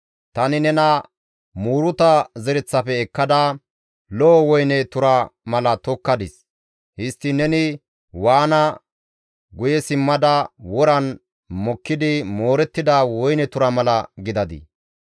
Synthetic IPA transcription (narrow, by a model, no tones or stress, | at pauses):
t̪ɐnɪnɛnɐ | muːɾʊt̪ɐzɛɾɛt͡sːɐpɛːkːɐd̪ɐ | lɔːwɔjnɛt̪ʊɾɐmɐlɐt̪ɔkːɐd̪ɪs | hɪst̪ːɪnɛnɪ | waːnɐ | ɡʊjɛsɪmːɐd̪ɐwɔɾɐn | mɔkːɪd̪ɪmo̞ːɾɛt̪ːɪd̪ɐwɔjnɛt̪ʊɾɐmɐlɐɡɪd̪ɐd̪ɪ̰